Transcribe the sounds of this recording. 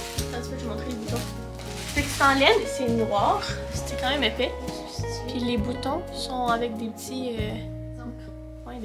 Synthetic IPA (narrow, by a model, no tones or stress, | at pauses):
ãskɛʒimɔ̃t̪χelebut̪ɔ̃ | sɛksɑ̃ljɛnsɛnʁwaʁse̥t̪ɛkɑ̃mɛmɛfɛ | pʰilebut̪ɔ̃sɔ̃avɛk̚d̪epət̪ʰiø